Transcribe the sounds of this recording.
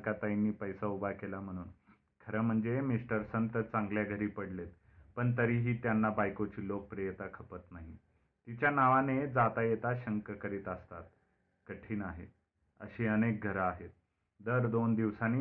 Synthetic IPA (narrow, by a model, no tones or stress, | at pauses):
kat̪ainːiːpəjsaubʱakelam̤əɽ̃uːn | kʰəɾəm̤əɳd͡zemisʈəɾsənt̪ət͡sãŋɡljaɡʱəɾiːpəɽlet̪ | pəɳt̪əɾiːɦiːt̪janːabajkot͡ɕiːlok̚pɾijət̪akʰəpət̪naɦi | t̪it͡ɕjanaʋaned͡zat̪ajet̪aɕəŋkəkəɾiːt̪əst̪at̪̚ | kəʈʰiːnaɦe | ə̰ɕiːənek̚ɡʱəɾaaɦet̪̚ | d̪əɾd̪ond̪iʋsaniː